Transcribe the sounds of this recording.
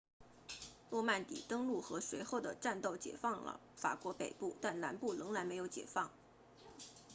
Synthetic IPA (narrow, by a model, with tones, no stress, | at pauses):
lwɔ˥˧ma˥˩nt̪ḭ˨˩t̪ɤ˥ŋlu˥˩xɤ˧˥ʂwe˧˥ɪxo˥˩ʊd̪ə˩ʈ͡ʂa˥˧nt̪o˥˩ʊt͡ɕjɛ̰˨˩fɑ˥˩ŋlə̰˩ | fa̰˨˩kwɔ˧˥pe˨˩ɪpu˥˩t̪a˥˩nla˧˥npu˥˩lɤ˧˥ŋɻa˧˥nme˧˥jo˧˥ʊt͡ɕjɛ̰˨˩fɑ˥˩ŋ